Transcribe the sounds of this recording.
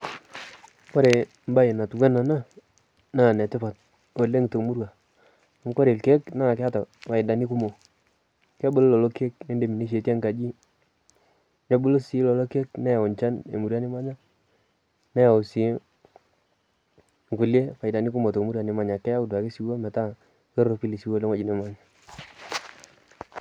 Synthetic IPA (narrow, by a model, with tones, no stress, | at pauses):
kɔ˦ɾe˨ | m˦ba˦e˨na˨tu˨wɛ˦na˨na˦ | na˦˨nɛ˨tɪ˦pa˨t̚ | o˨le˦ŋ˨to˨mu˦ɾwa˨ | a˨m˦kɔ˦ɾe˨lke˦kna˦˨kɛ˦a˦ta˨pa˨ɪ˨da˨ni˦ku˦mo˨ | ka˦bʊ˦llɔ˨lɔ˦ke˦k̚ne˦nde˨mi˨ne˦ʃ̬e˨tja˦ŋka˨d͡ʒi˦ | ɲa˦bʊ˦lo˦si˨˦lɔ˨lɔ˦ke˦knɛ˦ja˨ʊ˨nt͡ʃa˦nḛ˨mu˨ɾja˦ni˦ma˦ɲa˦ | nɛ˦ja˨ʊ˨si˨˦ | ŋku˨lje˦pa˨ɪ˨da˨ni˦ku˦mo˨to˨mu˦ɾwa˨nɪ˨˦ma˨ɲa˨kɛ˦a˦u˨dwa˨ke˦si˨˦wa˦mɛ˨ta˦ | ke˦ɾo˨pi˦li˨si˦wo˦le˦ŋwa˦˨i˨ne˨˦ma˨˦ɲa˨